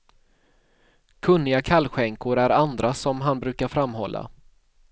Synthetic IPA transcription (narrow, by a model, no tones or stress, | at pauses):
kʰɵnːɪɡakʰalːɧɛŋkʊɾæɾand̪ɾasɔmɦanbɾʉ̟ːkaɾfɾamːɦɔlːa̰